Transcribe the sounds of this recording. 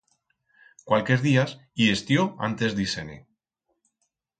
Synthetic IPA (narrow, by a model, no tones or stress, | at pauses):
kwalkeɾðias | iest̪joa̰nt̪ezd̪isenḭ